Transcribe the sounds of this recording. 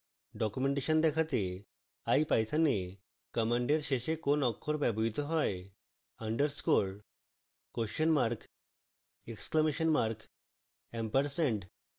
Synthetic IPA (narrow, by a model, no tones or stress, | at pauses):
ɖɔkjumeɳʈeʃənd̪ɛkʰat̪e | ajpajt̪ʰane | kəmaɳɖeɾʃeʃekonɔkʰːoɾbɛbɔɦit̪ɔɦɔj | əɳɖəɾskoɭ | koʃənmaɾk | ekskləmeʃənmaɾk | ɛmpəɾsɛɳɖ